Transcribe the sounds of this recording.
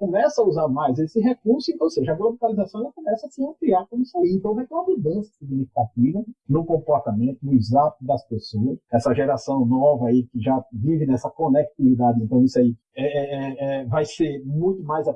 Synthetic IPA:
kõmɛsɐauzaɾmajzesɪɦek̚uɾsʊẽt̪õwseʒɐɐɡɔɾɐvok̪alizasɐ̃w̃ɛlɐkõmɛsɐasiɐ̃pliaɾkõmʊisaiẽnt̪ɐ̃w̃vajt̪ẽɐvid̪ẽsɐsiɡnifikat̪̚ivɐnʊkõmpɔɾt̪amẽnt̪ʊnʊizat̪ʊd̪ɐspesoɐsɛsɐʒɛɾasɐ̃w̃nɔvɐaikɪʒavivɪnɛsɐkonek̚t̪ivid̪ad͡ʒɪẽnt̪ɐ̃w̃isai | ɛɛɛɛvajseɾmũj̃t̪ʊmajza

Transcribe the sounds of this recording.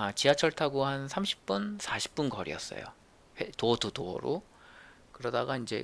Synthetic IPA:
at͡ɕiat͡ɕʰʌɭtʰaɡohansʰamɕʰi̥p̚p͈unsʰaɕʰi̥p̚p͈unkʌɾḭʌ̰s͈ʌ̰jo̰ | hetoʌdotoʌ̰ɾo | kɯɾʌdaɡaind͡ʑe̞̰

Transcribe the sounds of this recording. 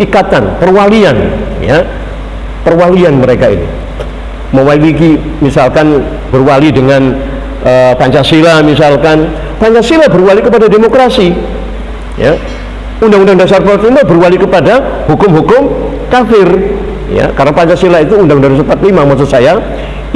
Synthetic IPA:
ikat̪anpərwalianja | pərwalianməɾekaḭnḭ | məwailiki | misalkan | b̥ərwalidəŋan | ʔəpaɲt͡ʃaselamis̬alkan | paɲt͡ʃasilabərwalikəpadademokɾasi | ja̰ | undãŋundaŋundas̬arpat̪limabərwalikəpadahukʊmɦukʊm | kafɪr | ja̰karənapaɲt͡ʃaselait̪uːundaŋundads̬əpat̪limamas̬osaja

